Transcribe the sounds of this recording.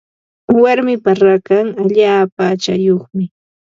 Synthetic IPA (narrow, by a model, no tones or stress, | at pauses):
waɾmɪpaɾakaŋaʎaːpaːt͡ʃajoχmɪ